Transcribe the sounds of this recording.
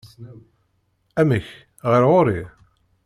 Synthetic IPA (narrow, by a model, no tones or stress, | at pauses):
æmiç | ʁəɾʁoɾi